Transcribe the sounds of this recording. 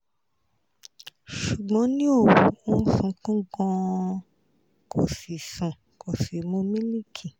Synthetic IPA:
ʃu˨ɡ͡bɔ̃˨˦nĩ˦o˦˨wu˨˦ũ˦fũ˧kũ˦ɡɔ̃˧ | ko˨si˨sũ˨ | ko˨si˨mũ˧˦mĩ˦li˦kʰi˨

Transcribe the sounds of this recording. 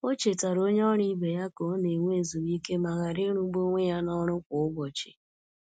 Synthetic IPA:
o˦t͡ʃe˨ta˨ɾo˦ɲ˦ɔ˦ɾi˦be˨ja˦ko˨˦ne˨ŋʷe˦˨zu˨ɾi˦ke˦ma˨ɣa˨ɾe˦ɾu˦ɡ͡bo˦ŋʷe˦ja˦nɔ˦ɾʊ˦kʷʊ˨ʊ˦ɡ͡bɔ˨t͡ʃɪ̰˨

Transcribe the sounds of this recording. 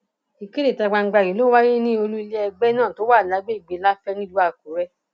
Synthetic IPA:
i˨ke˦le˦˨ta˧˨ɡ͡ba˧ŋ̩˦ɡ͡ba˧˨ɾi˨˦lo˦wa˦ɾi˦nĩ˦o˧lu˦i˧le˦ɛ˧ɡ͡bɛ˦nãː˦˨to˦wa˦˨la˨˦ɡ͡be˦i˦˨ɡ͡be˨˦la˦fɛ˦nĩ˦lu˦a˧˨ku˨˦ɾɛ˦

